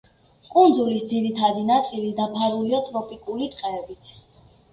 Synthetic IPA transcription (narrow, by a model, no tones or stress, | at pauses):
kʼund̪zulisd̪ziɾit̪ʰad̪inat̪sʼilid̪apʰaɾuliat̪ʼɾɔpʼikʼulit̪ʼqʼɛːbit̪ʰ